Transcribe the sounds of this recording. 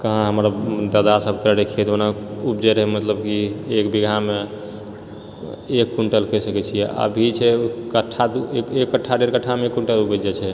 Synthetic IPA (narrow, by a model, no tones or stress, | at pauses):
kəɦãɦəmɾd̪əd̪asəbʱkəɽekʰet̪onaupd͡ʒeɾɦɛmət̪ləbkiekbiɡʱame | ekːuɳʈəlkəsəkɛt͡ʃʰijɛə̰bʱit͡ʃʰɛkəʈʰːat̪ukekːəʈʰːaɖeɾkəʈʰːameekːuɳʈəlubəd͡ʒɛt͡ʃʰɛ